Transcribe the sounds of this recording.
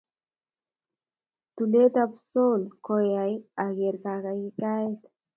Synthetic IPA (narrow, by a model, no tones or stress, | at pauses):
t̪ulet̪apsolkoeajaɡeɾkaɣajikaet̪